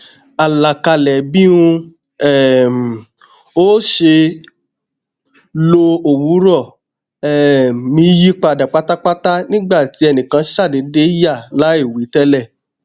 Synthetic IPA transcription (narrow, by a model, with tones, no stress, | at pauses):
a˨la˨ka˧lɛ˨bĩ˦ũ˧ | ɛ˦˨m˨ | o˦ʃe˧ | lo˧o˨wu˨˦ɾɔ˦˨ | ɛ˨mĩ˧˦ji˦k͡pa˧˨da˨k͡pa˦ta˦k͡pa˦ta˦nĩ˦ɡ͡ba˦˨ti˨˦ɛ˧nĩ˨kã˧˦ʃa˦˨de˨˦de˦ja˦˨la˨˦i˦˨wi˨˦tɛ˦lɛ˦˨